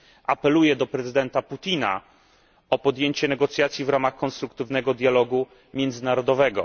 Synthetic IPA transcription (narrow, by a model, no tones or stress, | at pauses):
ʔapɛlujɛd̪ɔpɾɛzɘd̪ɛnt̪aput̪ʲina̰ | ɔpɔd̪jeɲt͡ɕɛnɛɡɔt̪sʲjat̪sʲjivɾamaxkɔnst̪ɾukt̪ɘvnɛɡɔd̪ʲjalɔɡu | mʲjɛnd̪zɘnaɾɔd̪ɔvɛɡɔ̰